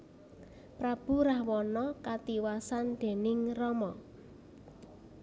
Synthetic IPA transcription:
pɾab̥ṳɾahwɔnɔkat̪iwasand̪̥e̤nɪŋrɔmɔ

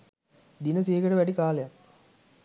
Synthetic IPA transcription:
d̪inəs̬eːɡəʈəʋæɖikaːlejak

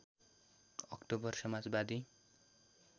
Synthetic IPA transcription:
ʌkʈobʌrsʌmad͡zbad̪i

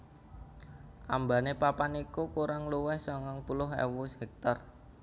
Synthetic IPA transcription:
ʔambanepapanikukuɾaŋluwɛhsɔŋɔŋpulʊɦɛ̰wushɛk̚t̪ɔr

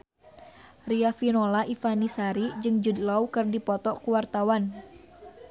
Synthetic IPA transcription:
riafinolaifanisaɾid͡ʒɨŋd͡ʒud̪laukɨrdipɔt̪ɔkuwart̪awan

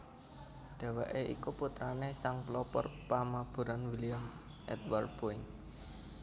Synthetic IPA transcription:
ɖ̪̥a̤wɛʔeʔḭkuput̪ɾanesaŋplɔpɔ̰rpamab̥ṳɾanwiliam | ʔɛ̰t̪̚ward̪̚poɪŋ

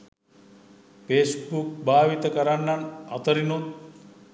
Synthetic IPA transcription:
peːsbuk̚bʱaːʋit̪əkəɾanːana̰t̪əɾinut̪̚

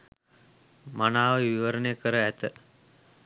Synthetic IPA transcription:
manaːʋəʋiʋəɾənejəkəɾəæt̪ə

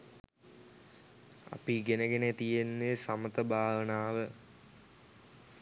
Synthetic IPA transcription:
a̰piɡenəɡenet̪ijenːesɐmət̪əbʱaːʋənaːʋə

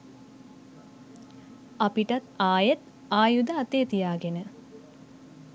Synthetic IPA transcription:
apiʈat̪aːjet̪ | aːjud̪aːt̪eːt̪ijaːɡenə

